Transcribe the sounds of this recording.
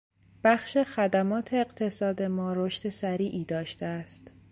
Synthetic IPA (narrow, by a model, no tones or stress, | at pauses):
b̥æxʃe̞xæd̪æmɒːt̪ʰe̞ːɢt̪ʰe̞sɒːd̪e̞mɒːɾoʃt̪esæɾiːʔiːd̪ɒːʃt̪eæst̪